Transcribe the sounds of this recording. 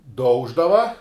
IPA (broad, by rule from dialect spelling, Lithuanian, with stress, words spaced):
ˈdɐʊʒdɐʋɐ